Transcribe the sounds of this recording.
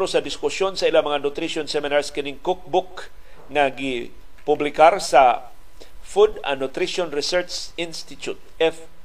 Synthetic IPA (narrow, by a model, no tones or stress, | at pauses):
ɾosɐd̪ɪskʊsjonsɐʔɪlamɐŋanʊt̪ɾiʃonsɛmɪnaɹskɪnɪŋkʊk̚bʊk | ŋɐɡɪ | pʊblɪkaɾsɐ | fud̪ɐ̰nʊt̪ɾiʃonɾɛsɛɹt͡ʃsɪnst̪ɪt̪ʊt̪̚ɛf